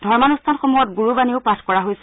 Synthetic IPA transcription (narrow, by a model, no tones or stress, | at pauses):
dʱɔɹmanustʰanxomujɔtɡuɹubaniʊpatʰkɔɹaɦojsɛ